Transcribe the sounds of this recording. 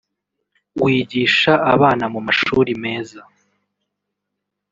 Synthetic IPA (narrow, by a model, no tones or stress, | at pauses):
wiːɟiːʃaʔaβaːnamumaʃuːɾime̞ːza